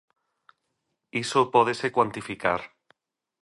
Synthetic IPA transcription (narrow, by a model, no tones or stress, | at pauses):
isopɔðesekwant̪ifikaɾ